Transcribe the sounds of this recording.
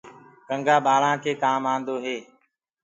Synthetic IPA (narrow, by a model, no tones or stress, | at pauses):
kəŋɡaːɓaːɭãːkʰeːkaːmãːnd̪oːɦeː